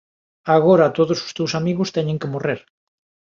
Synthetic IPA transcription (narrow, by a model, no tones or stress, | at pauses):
aɣ̞oɾat̪oðoso̥st̪ewsamiɣʊst̪ɛɲẽŋkemoreɾ